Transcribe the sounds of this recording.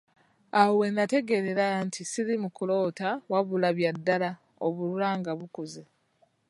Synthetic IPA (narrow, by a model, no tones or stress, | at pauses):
awe̞nate̞ɡe̞ɾe̞ɾantʰisiɾimukulo̞ːtawaβulaβjadːala | o̰βuɾuɾaːŋɡaβukuze